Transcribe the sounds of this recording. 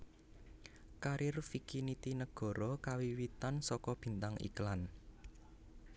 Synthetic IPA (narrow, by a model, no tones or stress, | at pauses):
kaɾʔɪrfikinit̪inəɡ̥ɔ̤ɾɔkawiwit̪ansɔkɔb̥i̤nt̪aŋḭklan